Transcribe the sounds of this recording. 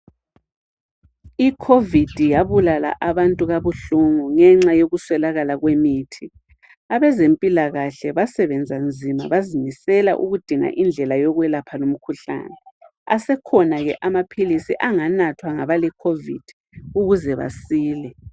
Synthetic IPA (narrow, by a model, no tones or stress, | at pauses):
ikʰovid̥ʱijaβulala̰ʔaβantʼuɣaβuɬuŋuŋɛŋ͡ǁajoɣuswɛlaɣalaɣwemitʰi | aβɛzempʼilaɣaɬɛβasɛβɛnd͡zʱand͡zʱima̰βazimisɛla̰ʔuɣud̥ʱiŋa̰ʔind͡ɮʱɛlajɔɣwɛlapʰalom̩kʰuɬa̰ːnɛ | a̰sɛkʰɔnaɣɛʔamapʰilisiʔaŋanatʰwaŋaβalɛkʰovḭd̥ʱi | uɣuzɛβa̰siːlɛ